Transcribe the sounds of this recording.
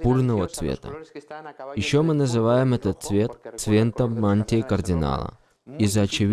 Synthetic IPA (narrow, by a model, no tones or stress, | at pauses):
burnəvət̪svʲḛt̪ə̰ | jɪɕːomɨnəzɨvajɪmɛt̪ət̪̚svʲe̞t̪t̪svʲent̪əmːanʲtʲɪkərdʲɪna̰lˠə̰ | izəɐt͡ɕɪvʲ